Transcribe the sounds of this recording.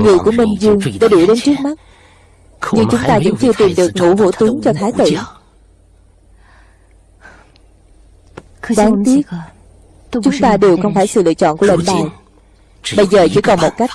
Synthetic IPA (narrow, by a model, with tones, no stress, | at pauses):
ŋɨ˨˩əjku˧˩əmï˧˩ŋ̟zɨ˧əŋɗa̰ː˧˥ɗu˧˩əɗe˨˦nt͡ɕɨ˦˥ək̚ma˦˥t̚ | ɲɨ˧ŋt͡ɕʊ˨˦ŋ͡mt̪aː˧vɨ̰˧˥ŋt͡ɕɨ˧ət̪i˨˩mɗɨ˨˩ək̚ŋṵ˧˥ɦṵ˧˥t̪ɨ˨˦ŋt͡ɕɔ˧t̪ʰaː˨˦jt̪ḭ˧˩ | zaː˨˦ŋt̪i˦˥ə˧ | t͡ɕʊ˨˦ŋ͡mt̪aː˧ɗe˨˩wxə˧wŋ͡mfaː˧˩jsɨ̰˧˨lɨ̰˧ət͡ɕɔ̰˧˨nku˧˩əlḛ˧˨nɓaː˧˩j | ɓə˧jzəː˨˩t͡ɕɨ̰˧˩kɔ˨˩nmo˨˩t̚ka˦˥jk̟̚